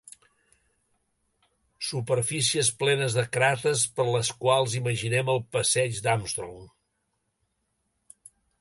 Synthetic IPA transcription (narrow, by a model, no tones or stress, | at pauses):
supəɾfisiəsplɛnəzðəkɾat̪əspəɾləskwalˠziməʒinɛməlˠpəsɛd͡ʒd̪amst̪ɾo̰m